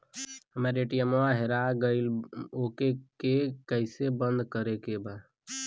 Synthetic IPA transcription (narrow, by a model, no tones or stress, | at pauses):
əmeɾeːʈijəmoaɦeɾaɡəɪloːkekekəɪsebə̃nd̪kəɾekeba